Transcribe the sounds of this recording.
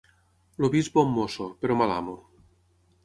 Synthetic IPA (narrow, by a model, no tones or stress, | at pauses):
lobizbomːosopeɾɔmala̰mo